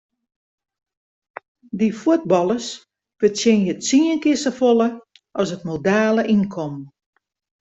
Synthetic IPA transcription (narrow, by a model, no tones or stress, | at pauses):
difuət̚bɑlˠəs | fətjɪnjətsiənkɪsəfolˠə | ʔɔsətmodaːləʔinkʰom